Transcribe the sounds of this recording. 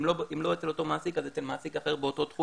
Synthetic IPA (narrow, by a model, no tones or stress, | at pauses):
loimlo̞et͡seo̞t̪o̞maːsikazet̪elmaːsikaχe̞ʁbeoto̞t̪χu